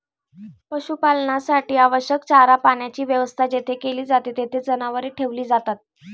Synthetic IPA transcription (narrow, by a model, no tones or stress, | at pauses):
pəɕupalɳasaʈiːaʋəɕjəkt͡ɕaɾapaɳjat͡ɕiːʋjəʋəst̪ʰad͡ʑet̪ʰekeliːd͡zat̪et̪et̪ʰed͡zənaʋəɾeʈʰeʋliːd͡zat̪at̪̚